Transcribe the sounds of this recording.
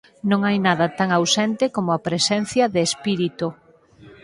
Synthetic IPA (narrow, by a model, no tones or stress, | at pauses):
nõŋajnaðɐt̪aŋawsɛnt̪ɪkomʊapɾesɛn̟θjɐðeːspiɾit̪ʊ